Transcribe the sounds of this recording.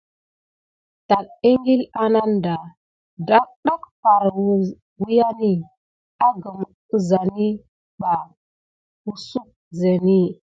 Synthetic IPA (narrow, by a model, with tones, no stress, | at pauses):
ta˨k̚e˦ŋɡi˦la˦na˦nda˨ | da˦k̚ɗa˦kpa˨ɾw | wi˦ja˦ni˦ | a˦ɡə˨m | ə˦za˨ni˦ | ba˨ | wu˦su˦k̚ | ze˨ni˦